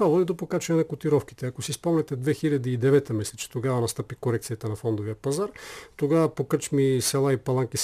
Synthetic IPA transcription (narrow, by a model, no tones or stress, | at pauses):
t̪vavɔd̪id̪opokat͡ʃɛnɛnɐkot̪iɾɔfki̥t̪ɛɐkosispɔmnɛt̪ɛd̪vɛxilʲɐd̪iːd̪ɛvɛt̪əmislɛt͡ʃɛ̥t̪oɡavɐnɐst̪ɤpikoɾɛkt̪sijɐt̪ənɐfɔnd̪ovijəpɐzaɾt̪oɡavɐpokət͡ʃmisɛlˠaipɐlˠaŋkis